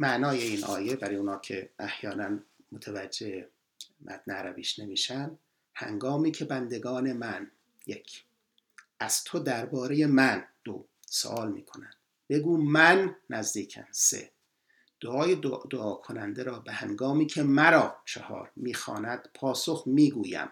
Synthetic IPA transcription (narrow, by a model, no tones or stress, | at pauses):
mæʔnɒːje̞iːnʔɒ̰ːjebæɾijuːnɒːcʰe̞ʔæhjɒːnænmot̪ʰævæd͡ʒːe̞he | mʔæ̰d̪neæɾæbiːʃne̞miːʃænd̪ | hæ̰ŋɡɒːmiːcʰe̞bænd̪e̞ɡɒːne̞mæn | je̞kʰ | ʔæz̥t̪ʰo̞d̪æɾbɒːɾeje̞mænd̪̥o | so̰ʔɒːlmḭːkʰo̞nænd̪̥ | b̥e̞ɡuːmænːæzd̪iːcʰæ̰nsḛ | d̪̥oʔɒːjedd̪oʔɒːkʰonænd̪eɾɒːbehæŋɡɒːmiːcʰe̞mæɾɒːt͡ʃʰehɒ̰ːɾmiːxɒ̰ːnæd̪̥pʰɒːso̞xmiːɡuːjæ̰m